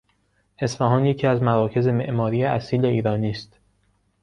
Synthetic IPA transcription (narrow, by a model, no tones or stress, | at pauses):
e̞sfæːɦɒːnje̞cʰiːæzmæɾɒːcʰe̞ze̞me̞ʔmɒːɾiːeʔæsiːle̞iːɾɒːniːst̪